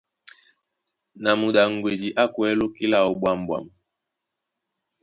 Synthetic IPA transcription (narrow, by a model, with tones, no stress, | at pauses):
na˨mu˨ɗa˨ŋ̩˨ɡwe˨di˨ʔa˦kwɛ˦lo˦ki˦la˨ɔ˨ɓwa˦˨m̩˨bwa̰˨m